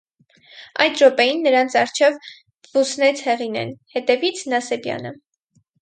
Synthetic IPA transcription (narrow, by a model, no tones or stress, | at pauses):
ɑ̰jt̪ʒɔpɛjinːəɾɑnt͡sʰɑrt͡ʃʰɛv | v̥usnɛt͡sʰhɛʁinɛ̰nhɛt̪ɛvit͡sʰnɑsɛbjɑ̰nə